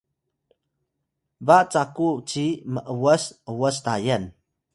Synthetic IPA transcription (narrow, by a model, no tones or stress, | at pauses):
baʔt͡sakut͡siməʔəwəsəwəst̪ajən